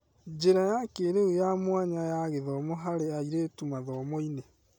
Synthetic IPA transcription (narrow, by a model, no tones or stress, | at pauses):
d͡ʑeɾajakeːɾeujamwaɲajaɣeðɔːmɔɦaɾeaiɾeːtumaðɔːmɔine